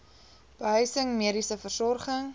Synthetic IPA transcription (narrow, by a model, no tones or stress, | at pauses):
b̥əɦœɥsəŋmiəɾisəfərsɔrχəŋ